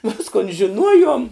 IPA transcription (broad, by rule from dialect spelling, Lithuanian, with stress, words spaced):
ˈʋʲɪskoːn ʒʲɪˈnuɔjuɔm